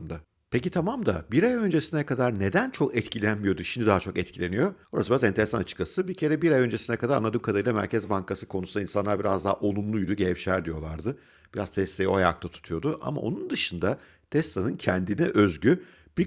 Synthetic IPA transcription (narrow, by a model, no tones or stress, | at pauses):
md̪a | pʰecit̪ʰamamd̪abiɾajø̞nd͡ʒesinɛkad̪aɾne̞d̪ænt͡ʃʰo̞kɛt̪cʰilʲænmijo̞d̪uʃimd̪id̪aɦat͡ʃʰo̞kɛt̪̚cʰilʲe̞nijo̞boɾa̰sɯbiɾazɛnt̪e̞ɾesanat͡ʃʰɯ̥kʰːasɯbicʰe̞ɾɛbiɾajø̞nd͡ʒe̞sinɛkad̪aɾa̰nːˠad̪ynkʰad̪ailˠamæ̰ɾcʰɛzbaŋkasɯ̥kʰo̞nusund̪ainsanˠaɾbiɾazd̪aɦaʔo̞lˠumlˠujd̪uɟevʃæɾd̪ijo̞lˠaɾd̪ɯ | biɾaz̥t̪ʰɛst̪ʰejioajak̚t̪ʰˠat̪ʰu̥t̪ʰujo̞d̪uʔa̰ma̰o̞̰nund̪ɯʃɯnd̪a | t̪ʰɛst̪ʰanɯncʰɛnd̪inɛʔø̞zɟy | bi